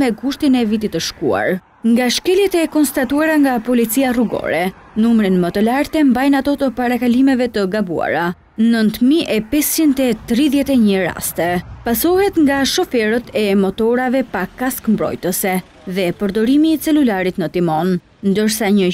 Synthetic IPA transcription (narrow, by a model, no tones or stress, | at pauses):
mɛɡuʃt̪inɛvit̪it̪əʃkṵa̰ɾ | ŋɡaʃkɛljɛt̪ɛkɔnst̪at̪uaɾaŋɡapɔlit͡siaruɡɔ̰ɾɛ | numɾinmət̪əlaɾt̪ɛmbajnat̪ɔt̪əpaɾakalimɛvɛt̪əɡabṵa̰ɾa | nənt̪miʔɛpɛst͡ʃind̪ɛt̪ɾiðjɛt̪ɛɲəɾa̰st̪ɛpasɔhɛt̪ŋɡaʃɔfɛɾət̪ʰɛmɔt̪ɔɾavɛpakaskmbɾɔ̰jt̪əsɛ | ðɛpəɾd̪ɔɾimiːt͡sɛlulaɾit̪nət̪imɔn | nd̪əɾsaɲə